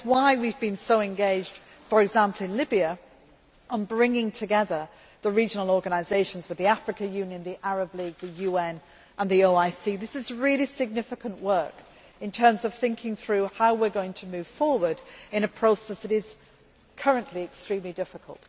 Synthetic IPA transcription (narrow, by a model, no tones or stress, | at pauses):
swaɪwivbɨ̃nsoʊɨ̃nɡeɪd͡ʒd̥ | fə˞ɨɡzæ̃mpʰl̩ˠɨ̃nlɪbiɨ | ʔə̃nbɹɪ̃ŋɪ̃ŋtʰɨɡɛðə˞ | ðəɹid͡ʒnl̩ˠɔɹɡɨnɨɪzeɪʃn̩zwɨðiafɹɨkɨjʉ̃njɨ̃nðiʔæɹəbliɡ̚ðɨjʉɛ̃n | ʔə̃nðioʊaɪsiðɪsɨzɹɪlˠisɨɡ̚nɪfɨkə̃nʔwɜ˞k | ɨ̃ntʰɜ̃˞mzʌv̥θɪ̃ŋkʰɪ̃ŋθɹʉhaʊwɪɹɡoʊɪ̃ŋtʰəmʉv̥fɔɹwə˞dɨ̃ñɨpʰɹ̥oʊsɛsðɨɾɪz̥ | kʰʌɹɨ̃nʔliɨkstɹ̥ĩmlidɪfɨkʰə̰lˠt̚